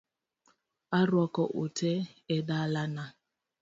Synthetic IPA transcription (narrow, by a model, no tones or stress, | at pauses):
aɾwɔkɔʔotʰeedalana